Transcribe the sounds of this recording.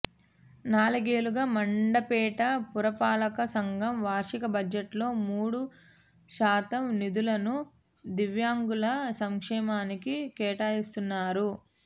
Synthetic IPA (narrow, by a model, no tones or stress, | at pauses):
naːlɐɡeːluɡaːmɐɳɖɐpɛːʈɐpuɾɐpaːlɐkɐsɐŋɡʱɐmʋaːɾʂikɐbɐd͡ʒɐʈlo̞ːmuːɽu | ʃaːt̪ɐmnid̪ulɐnu | d̪iʋjaːŋɡulɐsɐŋkʂɛːmaːnikikɛːʈaːjist̪unːaːɾu